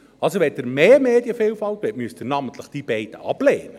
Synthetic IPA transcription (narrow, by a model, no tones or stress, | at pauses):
ɑlsoʋɛtdəɾmeːmeːdjəfeːlfɑltʋɛtmyəst̪ənɑmənt̪ʰləχd̥iːb̥ɛɪd̥əʔɑb̥leːnə